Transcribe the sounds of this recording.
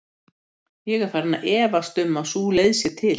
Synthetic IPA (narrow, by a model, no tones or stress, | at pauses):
jɛɣɛɾ̥faːɾnːa̰ʔɛːvast̪ʏmːawsuːlejðsjɛt̪ʰɪl